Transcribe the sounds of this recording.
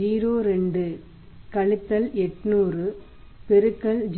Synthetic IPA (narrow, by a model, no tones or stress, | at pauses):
iːɾoːɾɛɳɖɯ | kɐɭɪt̪ːɐlɛʈːnuːrɯ | pɛɾɯkːɐɭd͡ʒ